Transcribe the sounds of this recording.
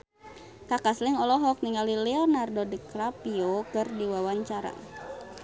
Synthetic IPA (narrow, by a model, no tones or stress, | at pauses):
kakasliŋɔlɔɦɔk̚niŋalilɛɔnardɔdiklapiokɨrdiwawaɲt͡ʃaɾa̰